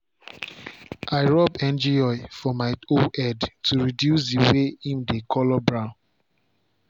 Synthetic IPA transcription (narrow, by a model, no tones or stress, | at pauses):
aɪɹɔbɛ̃nd͡ʒiɔɪfɔmaɪoɛdtuɹidjusdiweĩmdekʰɔlɔbɹãʊ̃n